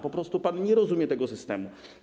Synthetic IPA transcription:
pɔpɾɔst̪upanɲɛɾɔzumʲjɛt̪ɛɡɔsɘst̪ɛmu

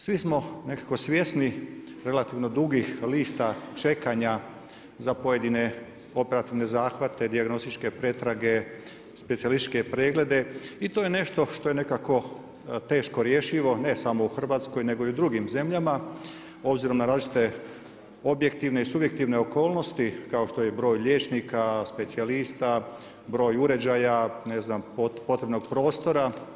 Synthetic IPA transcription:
sʋismo̞ne̞kako̞sʋje̞sni | ɾe̞lat̪iʋno̞d̪uɡixliːst̪at͡ʃe̞kaɲa | zapo̞je̞d̪ine̞ | o̞pe̞ɾat̪iʋne̞zaːxʋat̪ʰe̞d̪iaɡno̞st̪it͡ʃke̞pɾe̞t̪ɾaɡe̞ | spet̪sialist͡ʃke̞pɾeːɡle̞d̪e̞it̪oje̞ne̞ʃt̪o̞ʃt̪o̞jene̞kako̞ | t̪e̞ːʃkoɾje̞ʃiʋo̞ne̞samo̞uxr̩ʋaːt̪sko̞jne̞ɡo̞iud̪ɾuɡimze̞mʎama | o̞bziɾo̞mnaɾaːzlit͡ʃʃi̥t̪e̞ | o̞bje̞kt̪iʋne̞isubje̞k̚t̪iʋne̞o̞ko̞ːlˠno̞st̪ikao̞ʃt̪o̞jebɾo̞ːjʎe̞ːt͡ʃnikaspe̞t̪sialist̪a | bɾo̞ːjuɾe̞d͡ʑajane̞znampopo̞t̪ɾe̞bno̞ɡpɾo̞ːst̪o̞ɾa

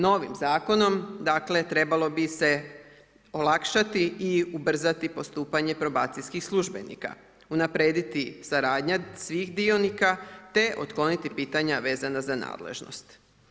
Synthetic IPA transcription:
no̞ʋḭmzaːko̞no̞md̪akle̞t̪ɾe̞balo̞bise̞ | o̞lˠakʃat̪iːubr̩zat̪ipo̞st̪uːpaɲe̞pɾo̞ba̰ːt̪sijskixslˠuʒbe̞̰nḭka̰ | unapɾe̞ːd̪it̪isaɾaːd̪ɲasʋixd̪io̞nikat̪e̞ʔo̞̰t̪klˠo̞nit̪ipiːt̪aɲaʋe̞ːzanazana̰ːd̪lḛʒno̰st̪

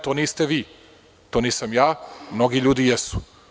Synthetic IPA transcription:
t̪oːniːst̪eʋiː | t̪oniːsamjaːmnoɡiʎuːd̪ijɛsu̥

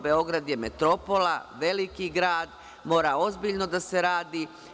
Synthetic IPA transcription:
be̞o̞ɡɾad̪je̞met̪ɾo̞polaʋe̞likiɡɾaːd̪ | mo̞ːɾao̞zbiʎno̞d̪ase̞ɾaːd̪iː

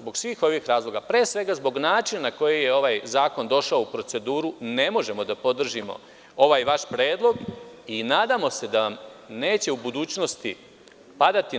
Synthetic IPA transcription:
zbo̞ɡsʋiːxo̞ʋixɾaːzlˠo̞ɡapɾe̞ːsʋe̞ɡazbo̞ɡnaːt͡ʃinanako̞jeje̞o̞ʋaːjzaːko̞nd̪o̞ʃaoupɾo̞t̪se̞d̪uːɾune̞mo̞ʒe̞mo̞d̪apo̞d̪r̩ʒimo̞̰ | o̞ʋaːjʋaʃpɾe̞ːd̪lˠo̞ɡinaːd̪amo̞sed̪aamne̞ːt͡ɕe̞ubud̪uːt͡ɕno̞st̪i | pad̪at̪i

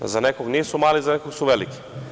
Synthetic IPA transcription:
zanɛkoɡnisɔmalizanɛkoɡsɔvɛliki̥

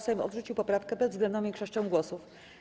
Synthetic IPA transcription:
sɛmɔ̰d̪ʐut͡ɕiwpɔpɾafkɛbɛzɡlɛnd̪ɔ̃mikʂɛʂt͡ʂɛ̃w̃ɡwɔsuf

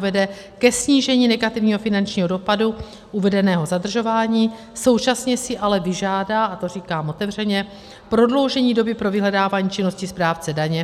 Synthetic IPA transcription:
vɛdɛkɛsɲiːʒɛɲiːnɛɡat̪ɪvɲiːɦo̞fɪnant͡ʃɲiːɦo̞do̞padu | ʔuvɛdɛnɛːɦo̞zad̪r̩ʒo̞vaːɲiː | so̞wt͡ʃasɲɛsɪʔalɛvɪʒaːdaːʔat̪o̞r̝iːkaːmʔo̞t̪ɛvr̝ɛɲɛ | pɾo̞dlo̞wʒɛɲiːdo̞bɪpɾo̞vɪɦlɛdaːvaːɲiːt͡ʃɪno̞scɪspɾaːft͡sɛdaɲɛ

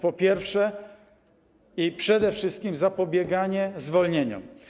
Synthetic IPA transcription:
pɔpʲjɛɾfʂɛ | ipʂɛd̪ɛfʂɘst̪̚kʲimzapɔbʲjɛɡaɲɛzvɔlɲeɲɔ̰m

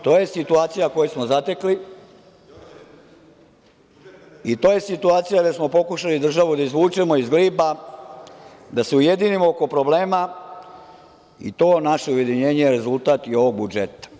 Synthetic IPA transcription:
t̪o̞ːje̞sit̪uaːt̪sijako̞jesmozat̪e̞kli | it̪o̞ːje̞sit̪uaːt̪sijaɡd̪esmo̞po̞kuʃalid̪r̩ʒaʋud̪aizʋuːt͡ʃe̞mo̞izɡliːba | d̪aseuje̞d̪inimooko̞pɾo̞ble̞ːma | ḭt̪o̞ːnaʃeuje̞d̪iɲeːɲejeɾe̞zulˠt̪aːt̪io̞ʋo̞ɡ̚bud͡ʒet̪ḁ

